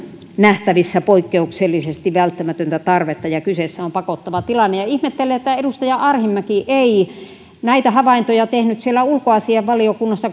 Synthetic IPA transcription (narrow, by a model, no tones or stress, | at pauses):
næht̪æʋisːæpoikːeukselːisest̪iʋʋælt̪ːæmæt̪ønt̪æt̪ɑrʋet̪ːɑjɑkyseˑsːæompɑkot̪ːɑʋɑt̪ilɑnːejɑihmet̪ːelːˑeet̪ːæedust̪ɑjɑʔɑrhimːækiʔei | næit̪æhɑʋɑint̪ojɑt̪ehnyt̪sielːæulkoɑsiɑʋʋɑliokunːɑsːɑ